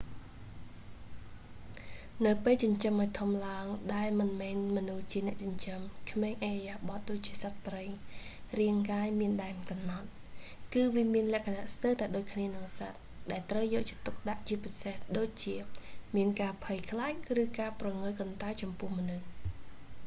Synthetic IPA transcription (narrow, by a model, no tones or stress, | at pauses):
nɨwpeːlt͡ɕɑɲt͡ɕəmʔaɔt̪ʰumlaəŋɗaɛlmɨnmɛːnmɔnuht͡ɕiənɛ̆əʔt͡ɕɑɲt͡ɕəmkʰmeːŋʔajjaːɓɑt̪̚ɗoːc̚t͡ɕiəsat̪̚prəj | riəŋkaːjmiənɗaɛmkɑmnɑt̪̚ | kɨːʋiəmiənlɛ̆əʔkʰanaʔst̪əwt̪aɛɗoːc̚kʰniənɨŋsat̪̚ | ɗaɛlt̪rəwjɔːʔ̚t͡ɕiət̪uk̚ɗaʔt͡ɕiəpisehɗoːc̚t͡ɕiəmiənkaːpʰəjkʰlaːk̚rɨːkaːprɑŋɨlkont̪at͡ɕɑmpʊ̆əhmonɨh